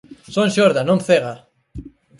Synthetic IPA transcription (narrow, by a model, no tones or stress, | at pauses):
sonʃoɾðanõnθeɣa